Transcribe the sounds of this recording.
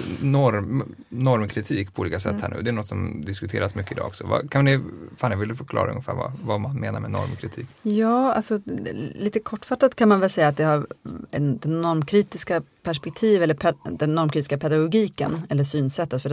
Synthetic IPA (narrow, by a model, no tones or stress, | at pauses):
nɔɾnɔɾmkʰɾɪt̪ʰiːkpʰɔuːliːkasɛ̰t̪ːhæ̰ːɳʉ̟ːd̪ɛːnɔt̪sɔmd̪ɪskɵt̪ʰeːɾasmʏkːəɪd̪ɑ̰ːɔ̰ksɔva̰kʰannɪfaːnɪvɪlːəfœɾkʰlɑ̰ːɾaʔɵ̰ŋːəfæ̰ːɾva̰vamanmeːnaɾmɛnɔ̰ɾmkʰɾɪt̪ʰiːkjɑːa̰lsɔliːt̪əkʰɔʈːfat̪ːat̪kʰanmanvɛlsɛjːat̪̚d̪ɛhaɾɛd̪ɛɔɾmkʰɾiːt̪ɪskapʰæʂpɛk̚t̪ʰiːvɛlːəd̪ɛnːɔɾmkɾit̪ɪ̥skapʰɛd̪aɡʊɡiːkənɛlːəʂyːnsɛt̪ːət̪fœɖ